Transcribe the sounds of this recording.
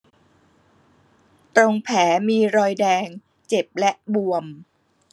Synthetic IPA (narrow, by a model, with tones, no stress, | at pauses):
t̪ɾo˧ŋpʰɛː˩˦miː˧ɾɔː˧jdɛː˧ŋ | t͡ɕe˨˩p̚lɛ˦˥ʔbu˧əm